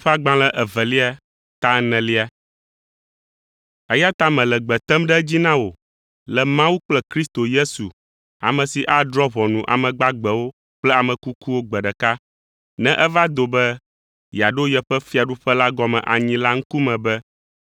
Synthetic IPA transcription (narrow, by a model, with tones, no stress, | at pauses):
ɸa˦ɡ͡bã˨lɛ˦ʔɛ˨vɛ˨li˦a˨ | t̪a˦nɛ̃˨li˦a˨ | ɛ˦ja˦t̪a˦mɛ̃˨lɛ˨ɡ͡bɛ˨t̪ɛ˦mɖɛ˦d͡ʑi˦nã˦wo˨ | lɛ˨mã˦wu˦k͡plɛ˦kɾi˦st̪o˨je˦su˨ | a̰˨mɛ̃˨si˨ʔa˦dɾɔ˦βɔ˨nũ˨ʔa̰˨mɛ̃˨ɡ͡ba˦ɡ͡bɛ˨wo˦ | k͡plɛ˦a˨mɛ̃˨ku˦ku˦wo˦ɡ͡bɛ˨ɖɛ˨ka˦ | nɛ̃˦ʔɛ˦va˦d̪o˨bɛ˦ | ja˨ɖo˦jɛ˨ɸɛ˦fi˦a˨ɖu˦ɸɛ˦la˦ɡɔ˨mɛ̰̃˨ʔa˨ɲĩ˦la˦ŋ̩˦ku˦mɛ̃˨bɛ˦